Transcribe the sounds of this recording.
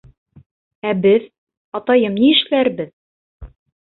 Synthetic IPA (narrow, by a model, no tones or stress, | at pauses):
æbɘð | ɑt̪ɑjɤmniɘ̆ʃlæɾbɘð